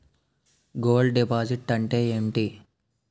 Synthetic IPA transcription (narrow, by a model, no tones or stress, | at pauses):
ɡoːlɖɖipaːd͡ʒiʈːɐɳʈeːeːɳʈi